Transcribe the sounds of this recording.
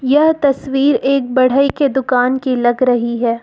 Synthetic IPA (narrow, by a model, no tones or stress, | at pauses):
jɐɦt̪ɐswiːɾeːk̚bɐɽ̤əiked̪ʊkaːnkilɐɡɾɐɦiɦɛː